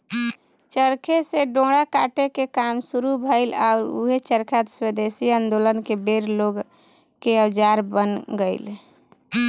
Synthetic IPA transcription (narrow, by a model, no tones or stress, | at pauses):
t͡ʃəɾkʰeseɖõːɽaka̰ʈekekamsuɾubʱəɪlaʊɾṵɦet͡ʃəɾkʰat̪swed̪esiə̃nd̪olənkebeɾloɡkeəwd͡ʒaɾbənɡəɪl